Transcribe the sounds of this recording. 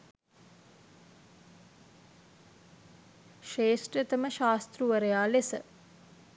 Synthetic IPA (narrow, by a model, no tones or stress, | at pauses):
ʃeːsʈret̪əməʃaːst̪ruʋəɾəjaːlesə